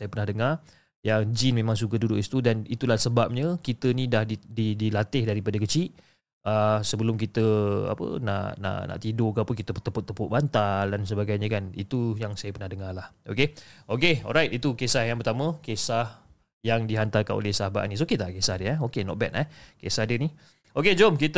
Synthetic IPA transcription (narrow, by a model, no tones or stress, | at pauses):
sajəpərnahdəŋar | jad͡ʒinmẽmãŋs̬ukədudʊʔist̪udanit̪ulahsəbap̚ɲəkit̪ənidahdididilat̪ɪhdaɾipadəkət͡ʃiʔ | əsəbəlʊmkit̪əa̰pə̰na̰ʔna̰ʔna̰ʔt̪idokapʊnkit̪əpət̪ːəpʊt̪ːəpʊʔ̚bant̪aldans̬əbaɡajɲəkanḭt̪ujaŋsajəpərnahdəŋarlahokeokeɔ̰lɾajt̪̚it̪ukesahjaŋpərt̪amə̃kesah | jaŋdiɦant̪arkanʔo̰lɛhsaɦaba̰ʔnĩs̬oket̪akesahdəɛokenɔ̰ʔ̚bɛ̰t̪ɛhkesahdəni | oked͡ʒɔmkit̪ə